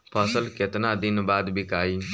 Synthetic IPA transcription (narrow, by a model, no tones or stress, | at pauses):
pʰəsəlkɪt̪nãːd̪ɪnbaːd̪bɪkaːiː